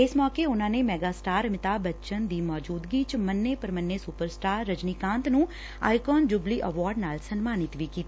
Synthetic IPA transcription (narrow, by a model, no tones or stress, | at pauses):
ɪsmɔːkeːʊnãːneːmɛːɡaːsʈaːɾmɪt̪aːbətːt͡ʃənd̪iːmɔːd͡ʒuːd̪ɡiːt͡ʃmənːeːpəɾmənːeːsʊpəɾsʈaːɾːəd͡ʒniːkãːnt̪nũː | a̰ːikɔːnd͡ʒʊbliːʔəʋɔːɾɖnaːlsənmaːnɪt̪ʋiːkiːt̪ː